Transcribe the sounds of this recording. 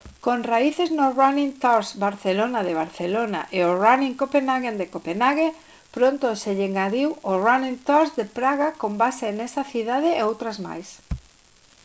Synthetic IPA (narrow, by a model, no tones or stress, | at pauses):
konraiθeznoraniŋt̪aɾsbaɾθelonaðeβ̞aɾθelona̰ʔeoraniŋkopenaɣend̪ekopenaɣe | pɾont̪oseʎeŋɡaɾiworaniŋt̪aɾzd̪epɾaɣakombaseenesɐθiðaðɪeowt̪ɾazma̰js